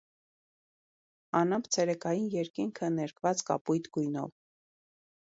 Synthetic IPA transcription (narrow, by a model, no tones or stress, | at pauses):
ɑnəmpt͡sʰɛɾɛkɑjinjɛɾkiŋkʰənɛɾkʰvɑt͡skɑ̰pujt̪ɡujnɔ̰v